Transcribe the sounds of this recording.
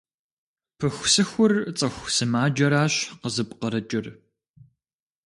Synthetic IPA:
pʰɨxʷsɨxʷʊrt͡sʼɐxʷsɨmaːd͡ʒɐɾaːɕqəzɨpʼqəɾɐt͡ʃʼɪr

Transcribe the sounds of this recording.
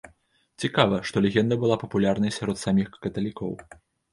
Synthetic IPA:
t͡sʲikavɐʂt̪ɔlʲeɣʲɛnd̪ɐbɨlˠapɐpulʲarnɐjsʲaɾɔt̪samʲixkɐt̪ɐlʲikɔ̰w

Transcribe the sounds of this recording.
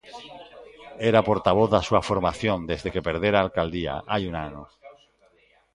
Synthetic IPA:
eɾapo̞ɾt̪aβ̞oθðasuafoɾmaθjõnd̪e̞zðe̞kepe̞ɾð̞eɾaːlkald̪ia̰ʔajunano

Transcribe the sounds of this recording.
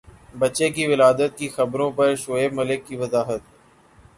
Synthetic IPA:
bət͡ʃeːkiːʋɪlaːd̪ət̪̚kiːxəbɾõːpəɾʃoːeːməlɪkːiːʋəzaːɦət̪̚

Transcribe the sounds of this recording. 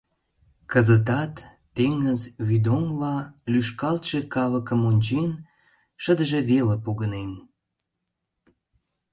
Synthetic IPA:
kəzət̪ɑt̪ː | eŋəzβid̪oŋlɑlyʃkɑlt̪ʃekɑləkə̆monʲt͡ɕen | ʃəd̪əʒĕβeləpoɣənen

